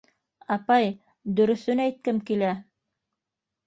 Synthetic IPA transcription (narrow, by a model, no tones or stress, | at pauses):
ɑpɑj | d̪ɵ̆ɾɵ̆θɵnæjt̪̚kɘmkilæ